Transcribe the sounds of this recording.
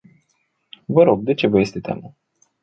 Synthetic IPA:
vəɾo̞ɡ̚d̪e̞t͡ʃe̞vəje̞st̪e̞t̪a̰ma

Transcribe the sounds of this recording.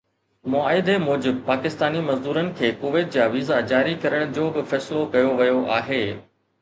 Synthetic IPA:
mʊaːɪd̪ʱemɔːd͡ʑɪb̚paːkɪst̪aːnimɐzd̪uːɾənɪ̆kʰeːkoːʋeːʈ̪̚d͡ʑaːʋiːzad͡ʑaːɾikɐɾəɽ̃d͡ʑoːbɪfɛːsɪlokɐjoʋɐjoʔa̰ːɦeː

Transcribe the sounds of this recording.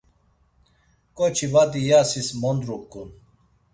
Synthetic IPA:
kʼɔt͡ʃʰivad̪ijasismɔnd̪ɾukʼːun

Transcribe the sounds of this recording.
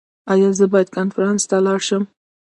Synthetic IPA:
ɑjɑzəbɑjad̪̥̚kɑnfaɾɑnst̪alɑɽʃəm

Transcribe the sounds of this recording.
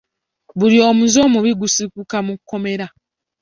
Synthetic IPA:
βulio̞ːmuzo̞ːmuβiɡusikukamukːo̞me̞ɾa

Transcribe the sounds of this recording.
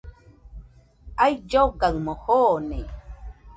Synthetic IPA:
ajd͡ʒoɡaŋmohoːnej

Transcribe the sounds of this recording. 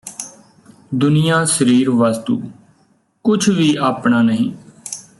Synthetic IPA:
d̪ʊnɪjãːsəɾiːɾʋaːst̪ṵː | kʊt͡ʃʰʋiːaːpɳaːnəɦĩː

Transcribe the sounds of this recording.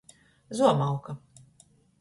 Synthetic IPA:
zuɔmawka

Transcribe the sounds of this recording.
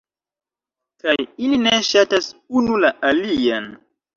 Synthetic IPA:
kajilineʃatasunulaʔalian

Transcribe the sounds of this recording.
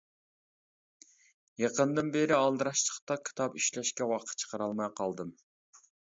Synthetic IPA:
jɑqənd̪ɨnbeɾɪɑlˠd̪ɨɾɑʃt͡ʃʰə̥χt̪ɑkʲʰi̥t̪ʰɑpyʃlɛʃkʲɛwɑqʰə̥t̪̚t͡ʃʰə̥qəɾɑlˠmɑjqʰɑlˠd̪ɨm

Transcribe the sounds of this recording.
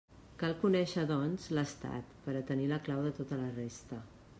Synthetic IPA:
kalˠkunɛʃəðɔnzləst̪a̰t̪pəɾət̪əniləklawðət̪ot̪ələrest̪ə

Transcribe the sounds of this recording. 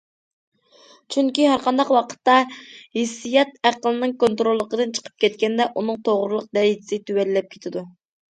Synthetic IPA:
t͡ʃʰyŋkʲiɦæɾqʰɑnd̪ɑqwɑqʰə̥t̪ːɑhesːijɛt̪̚æqəlˠɨnɨŋkont̪ɾolˠːəqəd̪ɨnt͡ʃʰə̥qʰə̥p̚kʲʰɛt̪̚kʲɛnd̪ɛʔunɨŋt̪ʰoʁɾlˠəq̚d̪ɛit̪ʰɪ̥sɪt̪ʰywɛlːɛp̚kʲʰet̪ʰɪd̪u

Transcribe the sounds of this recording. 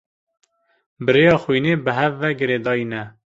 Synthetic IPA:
bəɾejɑːxwiːneːbəɦɛvːɛɡɨɾeːd̪ɑːinɛ

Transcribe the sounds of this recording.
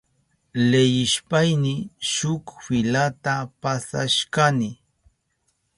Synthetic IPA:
lejɪʃpajnɪʃʊkfɪlat̪apasa̰ʃkanɪ

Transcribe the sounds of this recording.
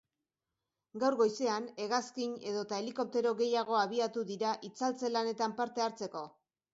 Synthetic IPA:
ɡawɾɣo̞jse̞ane̞ɣaskiɲe̞ðo̞t̪ae̞liko̞p̚t̪e̞ɾo̞ɣe̞jaɣ̞o̞aβ̞iat̪uðiɾaʔit͡salt͡se̞lane̞t̪ampaɾt̪e̞aɾt͡se̞ko̞

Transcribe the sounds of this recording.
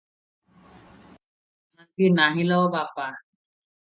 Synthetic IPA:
nənt̪inaɦiləwbapa

